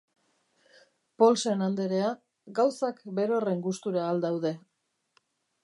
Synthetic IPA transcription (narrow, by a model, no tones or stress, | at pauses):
po̞lse̞nand̪eɾe̞a | ɡawsakbe̞ɾo̞re̞ŋɡust̪uɾaːld̪awðe̞